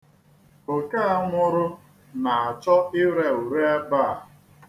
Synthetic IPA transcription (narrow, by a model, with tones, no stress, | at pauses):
o˨ka˦a˦ŋʷʊ˦ɾʊ˦ | na˨a˨t͡ʃɔ˦ɪ˦ɾe˦u˨ɾe˦e˦ba˦˨